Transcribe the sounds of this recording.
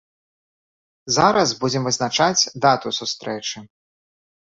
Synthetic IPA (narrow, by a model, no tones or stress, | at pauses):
zaɾɐsbud͡zʲɛmvɨznat͡ʂat͡sʲd̪at̪usust̪ɾɛt͡ʂɨ